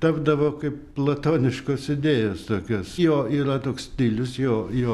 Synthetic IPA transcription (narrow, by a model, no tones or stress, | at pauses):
t̪ɐbd̪ɐʋoːkɐɪpplˠɐt̪oːnʲɪʃkoːsɪd̪ʲeːjoːst̪oːkʲoːsjoːiːɾɐt̪oːkssʲt̪ʲiːlʲʊsjoːjoː